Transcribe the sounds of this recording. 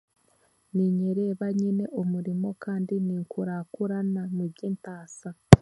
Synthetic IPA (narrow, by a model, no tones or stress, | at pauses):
niɲeɾe̞ːβaɲine̞ʔomuɾimo̞kaːndiniŋkuɾakuɾanamubɟiːntaːsa